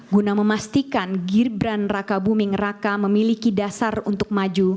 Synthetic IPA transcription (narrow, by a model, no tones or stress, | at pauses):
ɡunaməmast̪ikanɡirbɾanrakabumɪŋrakaməmilikidasarunt̪ʊk̚mad͡ʒu